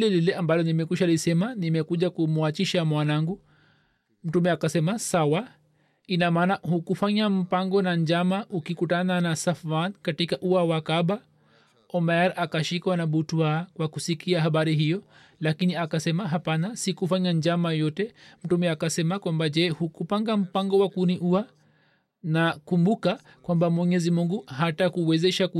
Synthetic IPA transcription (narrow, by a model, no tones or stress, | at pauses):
lɛlilɛʔambalɔnimɛkiʃalisɛmanimɛkuʄakumuat͡ʃiʃamwanaŋɡu | m̩tumɛakasɛmasawa | inamaːnahukufaɲam̩paŋɡɔnaɲd͡ʒamaʔukikutananasafankatikaʔuawakaɓa | ɔmajaɾakaʃikwanaɓutuaːkwakusikʰiaɦaɓaɾiɦijɔ | lakiniakasɛmaɦapanasikufaɲaɲd͡ʒamajɔtɛm̩tumɛakasɛmakwambad͡ʒɛhukupaŋɡam̩paŋɡɔwakuniʔua | nakumbuka | kwambamwɛɲɛzimuŋɡuhatakuwɛzɛʃak